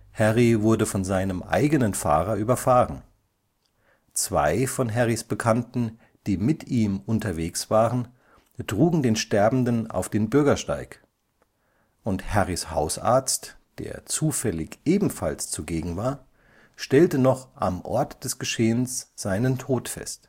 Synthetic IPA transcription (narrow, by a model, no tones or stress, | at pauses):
hɛʁivʊɐdəfɔnzaɪnəmʔa̰ɪɡənənfa̰ːʁɐʔyːbɐfaːʁən | t͡sv̥a̰ɪfɔnɦɛʁisb̥əkʰantn̩ | d̥iːmɪtiːmʔʊntɐveːksv̥aːʁən | tʁ̥uːɡŋ̩deːnʃtɛɐbm̩dəna̰ʊfd̥eːnbʏɐɡɐʃta̰ɪk | ʔʊnthɛʁisha̰ʊsʔa̰ɐt͡st | d̥ḛːɐt͡suːfɛlɪçʔeːbm̩fa̰lst͡suɡeːɡŋ̩vaːɐ | ʃtɛltənɔχʔa̰mʔɔ̰ɐtd̥ɛsɡ̥əʃeːənsz̥aɪnəntʰoːtfɛ̰st